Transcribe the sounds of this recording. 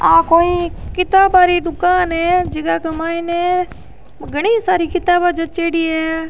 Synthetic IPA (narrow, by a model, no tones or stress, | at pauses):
aːkoːĩkɪt̪aːbaːɾid̪ʊkaːnɦɛːd͡ʒɪɡakɐmaːɪnɛ̃ː | ɡəɽ̃iːsaːɾikɪt̪aːbaːd͡ʒɐt̪̚t͡ʃeːɽiːɛː